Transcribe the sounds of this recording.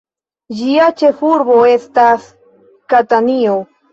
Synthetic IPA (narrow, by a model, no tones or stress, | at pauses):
d͡ʒiat͡ʃefuɾboest̪as | kat̪anio